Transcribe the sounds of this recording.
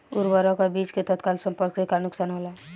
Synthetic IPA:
uɾbɔɾɔ̃kabit͡ʃket̪ɔt̪kalsə̃mpəɾksekanʊksanɦola

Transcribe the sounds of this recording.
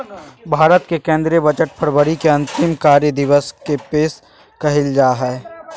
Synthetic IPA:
bʱaːɾət̪kekẽːnd̪ɾjəbət͡ʃəʈ̚pʰəɾbəɾikeɐ̃nt̪ɪmkaːɾjəd̪ɪʋəskepeːs | kɐɦɪld͡ʒaːɦɛ

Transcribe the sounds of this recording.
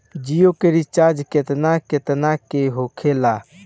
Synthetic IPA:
d͡ʒijokeɾit͡ʃad͡ʒket̪naket̪nakeɦokʰela

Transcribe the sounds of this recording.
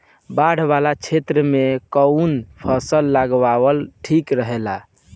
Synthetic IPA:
baɽ̤balat͡ʃʰet̪ɾəmekəunpʰəsəlːaɡʋawəlʈʰikɾəɦela

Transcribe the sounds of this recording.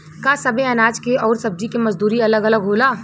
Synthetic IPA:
kasɐbeɐnaːd͡ʒkeʔɔːɾsɐb̚d͡ʒikemɐzd̪uːɾiɐləɡɐləɡɦoːlaː

